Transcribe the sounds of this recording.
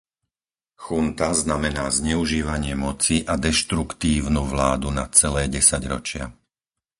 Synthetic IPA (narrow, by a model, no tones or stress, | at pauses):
xunt̪aznamɛnaːzɲɛuʒiːʋaɲɪɛmɔt͡siʔad̪ɛʃt̪ɾukt̪iːʊnuʋlaːd̪unat͡sɛlɛːɟɛsaɟɾɔ̰t͡ʃɪa̰